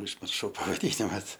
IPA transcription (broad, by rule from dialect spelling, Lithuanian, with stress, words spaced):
ʊʒʲmʲɪrˈʃɐʊ pɐʋɐˈdʲiːnʲɪmɐs